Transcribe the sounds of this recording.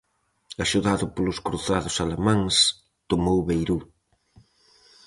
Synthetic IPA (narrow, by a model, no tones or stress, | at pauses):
aʃuðaðʊpolʊskɾuθaðʊsalemãŋs | t̪omowβejɾu